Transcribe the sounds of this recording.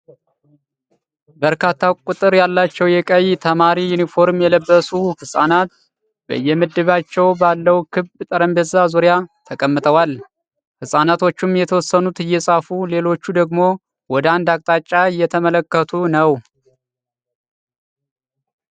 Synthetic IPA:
bəɾkʰat̪ʰːakʼut̪ʼɨɾjalːat͡ʃːɛwjɛkʼəjt̪ʰəmaɾijunifo̞ɾmjɛləbːəsuhɨsʼa̰nat̪̚ | b̥ə̰ɨjːɛmɨd̪ːɨβat͡ʃːɛwbalːəwkʰɨβt̪ʼəɾəmbəzazuɾjat̪ʰəkʼəmːɨt̪ʰʼəwal | hɨsʼanat̪ʰo̞t͡ʃːumjɛt̪ʰəwɔsːənut̪ɨjːɛsʼafule̞lo̞t͡ʃːud̪əɡmo̞ | wɔd̪əand̪ak̚ʼt̪ʼat͡ʃʼːaɨjːɛt̪ʰəmələkːət̪ʰunəw

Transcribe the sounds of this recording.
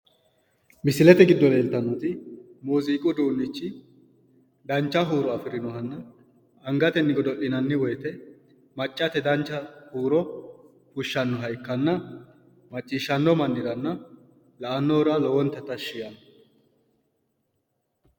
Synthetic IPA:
mɪsɪlɛt̪ɛɡɪd̪ːɔleːlt̪ɐnuːt̪ɪmuːziːkʼʊd̪uːnːɪt͡ʃːɪ | d̪ɐnt͡ʃːɐɦuːɾɔɐfɪɾɪnɔɦɐnːɐ | ɐŋɡɐt̪ɛnːɪɡɔd̪ɔʔɪnɐnːɪwɔjt̪ɛ | mɐt͡ʃʼːɐt̪ɛd̪ɐnt͡ʃːɐhuːɾɔ | fʊʃːɐnːɔɦɐjkːɐnːɐ | mɐt͡ʃʼːiːʃːɐnːɔmɐnːɪɾɐnːɐ | lɐʔɐnːɔːɾalɔwɔnt̪ːɛt̪ːɐʃːɪjɐn

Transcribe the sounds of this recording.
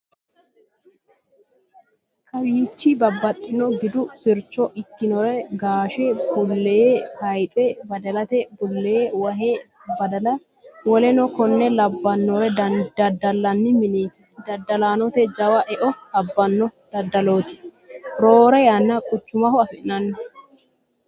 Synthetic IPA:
kʰɐwiːt͡ʃːɪbɐbːɐt̪ʼːɪnɔɡɪd̪ʊsɪɾt͡ʃːɔʔɪkːɪnɔɾɛɡaːʃɛbʊlːeːhɐjt̪ʼɛbɐd̪ɐlɐt̪ɛbʊlːeːwɐɦe | bɐd̪ɐlɐ | wɔlɛnɔkɔnːɛlɐbːɐnːɔɾɛd̪ɐd̪ɐlːɐnːɪmɪneːt̪ɛ̥d̪ɐd̪ːɐlaːnɔt̪ɛd͡ʒɐwɐʔɛʔɔt̪ɐbːɐnːɔd̪̥ɐd̪ɐloːt̪ɪ̥ | ɾoːɾɛjanːɐkʼʊt͡ʃːʊmɐhɔɐfɪʔnɐnːɔ

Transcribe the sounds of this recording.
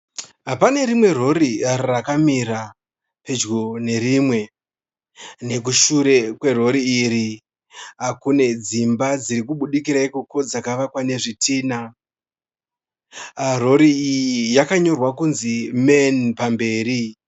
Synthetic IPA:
ɦapane̞rimwe̞ro̞ɾirrakamiɾa | pe̞d͡ʒɡone̞rimwe̞ | ne̞k̬uʃuɾe̞kwe̞ro̞ɾiːɾi | ɦakune̞d͡zimbad͡ziɾikuɓuɗikiɾaikuko̞d͡zakaʋakwane̞ʐitiːna | ro̞ɾiːjijakaɲo̞rwakunzimenpambe̞ːɾi

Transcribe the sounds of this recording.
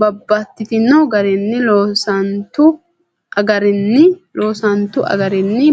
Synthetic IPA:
bɐbːɐt̪ːɪt̪ɪnːɐɡɐɾɛnːɪloːsɐnt̪ʊ | ʔɐɡɐɾɛnːɪloːsɐnt̪ʊɐ̰ɡɐɾɛnːɪ

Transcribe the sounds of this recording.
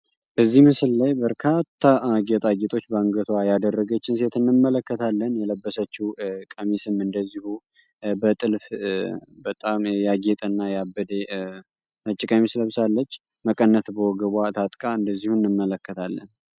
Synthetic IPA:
b̥əzːihmɨsɨllajbəɾkʰat̪ʰːaɡet̪ʼaɡet̪ʰʼo̞t͡ʃːbaŋɡət̪ʰwajad̪ərːəɡət͡ʃːɪns̬e̞t̪ʰɨnːɨmːələkːət̪ʰalːənjɛləbːəsət͡ʃːikʼəmisɨmɨnd̪əzːihu | bət̪ʼɨlf | bət̪ʼamjaɡet̪ʼɨnːajabːəd̪e | mət͡ʃʼːɪkʼəmisləβsalːət͡ʃː | məkʼənːət̪bəwɔɡəβʷat̪ʰat̪ʼkʼaɨnd̪əzːihunːɨmːələkːət̪ʰalːə̰n

